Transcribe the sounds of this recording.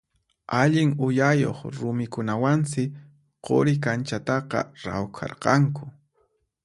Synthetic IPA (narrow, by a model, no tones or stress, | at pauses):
aʎɪŋʊjajo̰χɾʊmɪkʊnawansɪ | qo̰ɾɪk̬ant͡ʃat̪ɑqɑ̰ɾa̰wkʰɑ̰ɾqɑŋkʊ